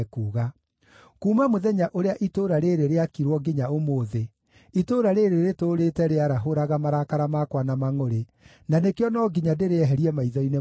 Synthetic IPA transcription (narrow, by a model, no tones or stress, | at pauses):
kuːɣa | kuːmamoðɛɲaʔoɾeaʔitoɾaɾeɾeɾeakiɾwɔɡiɲaomoːðe | itoɾaɾeɾeɾetoːɾetɛɾeaɾaɦoɾaɣamaɾakaɾamakwanamaŋoɾe | nanekeɔnɔɡiɲadeɾeɛɦɛɾiɛmaiðɔine